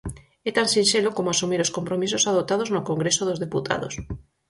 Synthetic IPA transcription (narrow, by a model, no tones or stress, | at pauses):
et̪ansinselokomoasumiɾoskompɾomis̬osaðop̚t̪að̞oznokoŋɡɾesoðozðeput̪ʰa̰ð̞o̰s